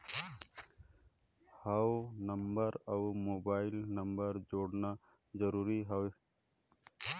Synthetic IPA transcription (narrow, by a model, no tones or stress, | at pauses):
hawnəmbəɾawmoːbaːɪilnəmbəɾd͡ʒoːɽna | zəɾuːɾiɦawe